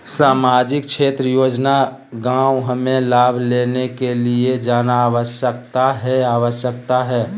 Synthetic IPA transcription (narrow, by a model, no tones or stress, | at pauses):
saːmaːd͡ʒɪk̚t͡ʃʃʰeːt̪ɾəjoːd͡ʒna | ɡãːwɦəmẽlaːbʱleːnekelied͡ʒaːnaaːʋəsjək̚t̪aɦɛaːʋəsjək̚t̪aɦɛː